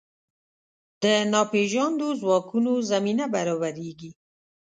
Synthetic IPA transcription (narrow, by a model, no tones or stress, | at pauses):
d̪̥ənɑpeʒɑnd̪ozwɑkunozaminabaɾɑbaɾeɡi